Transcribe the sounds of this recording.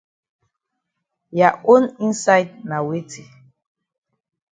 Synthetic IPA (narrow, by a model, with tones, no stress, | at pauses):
ja˨ʔo˦nĩ˦nsa˦jd̚na˨we˦tʰi˨